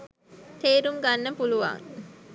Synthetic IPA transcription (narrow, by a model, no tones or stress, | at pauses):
t̪eːɾuŋɡanːəpuluʋa̰ŋ